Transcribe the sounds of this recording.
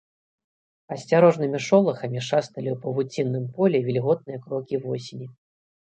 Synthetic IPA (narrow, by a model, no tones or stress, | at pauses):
ɐsʲt͡sʲaɾɔʐnɨmʲiʂɔlˠɐxɐmʲiʂast̪ɐlʲiwpɐvut͡sʲinːɨmpɔlʲɛvʲilʲɣɔt̪̚nɨjɛɐkɾɔkʲivɔsʲenʲi